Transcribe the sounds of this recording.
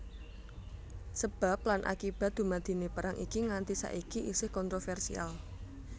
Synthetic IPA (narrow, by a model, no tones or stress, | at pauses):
səb̥a̤p̚lanʔa̰kib̥a̤t̪̚d̪̥ṳmad̪̥i̤nepəɾaŋʔḭkiŋant̪isa̰ʔikiʔisɪhkɔnt̪ɾofɛrsḭa̰l